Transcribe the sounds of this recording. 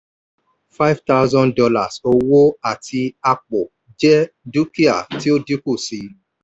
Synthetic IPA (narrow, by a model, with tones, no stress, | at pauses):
fa˦ɪvta˦wzɔ̃˦ndɔ˧la˨so˦wo˦a˨tʰi˧a˧k͡po˨ | d͡ʒɛ˦ | du˦ki˦a̰˨ti˦o˦di˦ku˦˨si˨˧